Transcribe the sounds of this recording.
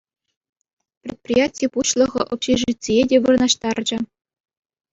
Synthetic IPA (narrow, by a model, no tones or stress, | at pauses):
prʲet̪̚pʲrʲijatʲijpuɕlˠɤ̆ʁɤ̆ʔopɕeʐitʲt͡sʲeedʲeʋɯrɤ̆nɑɕt̪ɑrd͡ʑɘ̆